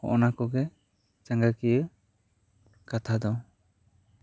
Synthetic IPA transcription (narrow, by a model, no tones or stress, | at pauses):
ɔ̰ʔɔnakɔɡɛ | t͡ʃaŋɡakijə | kat̪ʰad̪ɔ